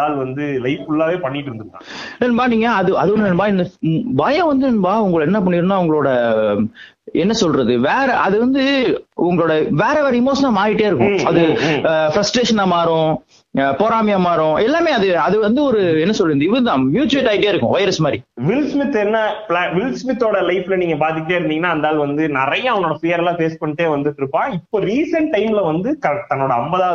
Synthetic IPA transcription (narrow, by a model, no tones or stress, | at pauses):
aːlʋɐnd̪ɯlɐɪfɪlːaːʋeːpɐɳːɪʈːɪɾɯnd̪ɯɾɯkːãnɪnmbaːniːŋɡɐɐðɯɐðɯɔɾnɪnbaːɪnːɐbaːjɐ̃ʋɐnd̪ɯnɪnbaːʊŋɡɐɭɛnːɐp̬ːɐɳːiːɾɯnaːʊŋɡɐɭoːɽɐ | ɛnːɐsɔlɾɐðɯʋeːɾɐʔɐðɯʋɐnd̪ɯʊŋɡɐɭoːɽɐʋeːɾɐʋɐːɾɪmoːʂɐnɐlmaːɾɪʈːejːɪɾɯkːʊ̰̃ɐðɯfɾɐsʈɾeːʂɐnaːmaːɾʊ̃ | poːɾaːmɪjɐmaːɾʊ̃ɛlːaːmeːɐðɯɐðɯʋɐnd̪ɯɔɾɯɛnːɐsɔlːɪnd̪ɐɪʋɐnd̪ãːmjuːt͡ʃʊʋɪʈːɐɪɽɪjaːɪɾɯkːʊ̰̃ʋɐɪɾɐsmaːɾḭʋɪlsmɪt̪ːɛnːɐplːʋɪlsmɪt̪ːoːɽɐlɐɪflɐniːŋɡɐpaːɾt̪ɪkʲːɪʈeːɪɾɯnd̪iŋɐnːaːɐnd̪aːlʋɐnd̪ɯnɪɾɐjɐ̃ɐʋɐnoːɽɐpɪjɐɾɛlãːpeːspɐɳːɪʈːeːʋɐnd̪ɯʈːɪɾɯpːãːɪpːoːɾiːsɐɳʈʈːɐɪmlɐʋɐnd̪ɯkɐɾɐʈːt̪ɐnːoːɽɐɐmbɐðaː